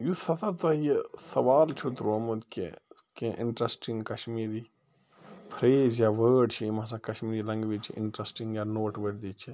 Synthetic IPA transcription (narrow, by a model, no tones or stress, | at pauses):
jusɐt̪ʰat̪ɐjesɐʋaːlt͡ʃʰut̪ɾumut̪kḛ | kẽʔɪ̰ɳʈɾɐsʈiŋɡkɐʃmiːɾi | pʰɾeːzjaʋəːɖt͡ʃʰiimãs̬ãkɐʃmiːɾilɐŋɡʋit͡ʃʰiʔɪ̰ɳʈɾɐsʈĩŋɡjanoːʈʋəɖd̪iːt͡ʃʰi